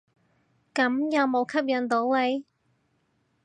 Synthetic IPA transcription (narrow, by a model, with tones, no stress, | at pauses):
kɐ˨˥mjɐ˨˧wmo˨˧wkʰɐ˥p̚jɐ˨nt̪o˨˥wle˨˧˥j